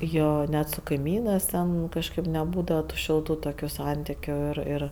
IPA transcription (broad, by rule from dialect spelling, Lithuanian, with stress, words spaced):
ˈjoː ˈnʲɛt sʊ kɐɪˈmʲiːnɜs ˈtʲɛn ˈkɑːʃkɜp nʲɛˈbuːdɐʋɐ tʊ ˈʃʲɪlˠtʊ ˈtoːkʲʊ ˈsɐnʲtʲɪkʲʊ ɪr ˈɪr